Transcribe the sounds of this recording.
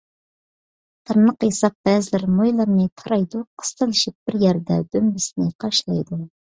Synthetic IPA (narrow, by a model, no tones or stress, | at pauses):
t̪ʰɨɾnəqjesɑp̚b̥ɛzɪlɪɾmojlˠɑɾnɨt̪ʰɑɾɑjd̪uqʰə̥st̪ɨlˠɪʃip̚b̥ɪɾjɛɾd̪ɛ̰d̪ømbɪsɪnɪqʰɑʃlˠɑjd̪u